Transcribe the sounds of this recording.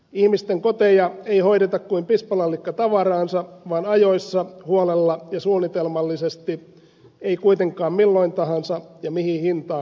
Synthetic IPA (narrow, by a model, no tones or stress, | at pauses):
ihmist̪eŋkot̪ejɑeiho̞iɾet̪ɑkkuimpispɑlɑlːikːɑt̪ɑʋɑrɑːnsɑʋɑːnɑjoisːɑhuolelːɑjɑsuːnːit̪elmɑlːisest̪i | eikuijt̪e̞ŋkˑɑːmmilːoint̪ɑɦɑnsɑjɑmihihint̪ɑː